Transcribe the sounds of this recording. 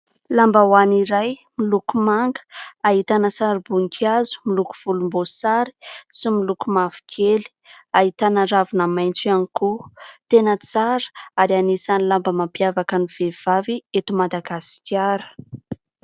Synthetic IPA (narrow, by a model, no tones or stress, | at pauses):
lambawaniɾajmilukumaŋɡə̥aɦit̪anəsaɾibuŋikʰiazu̥miluku̥v̥ulumbosaɾi̥similukumav̥i̥kʰeli̥aɦit̪anəɾavunəmajnt͡sianikut̪enət͡saɾə̥aɾianisanilambəmampjavakəniv̥ev̥aviet̪umad̪aɡasi̥kʲjaɾə̥